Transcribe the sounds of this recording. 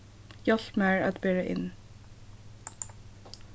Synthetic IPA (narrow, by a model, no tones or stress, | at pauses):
jɑɬpmæːɹɑ̰t̪beːɹeʔɪ̰n